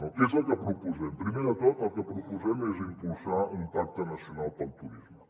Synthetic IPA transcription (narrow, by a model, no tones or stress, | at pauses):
ɔk̪esat̪ɐpɾopuzɛmpɾimɛɾɐt̪ɔt̪at̪ɐpɾopuzɛmɛzimpulsaumpak̚t̪ɐnɐsionalˠpɐlt̪uɾizmə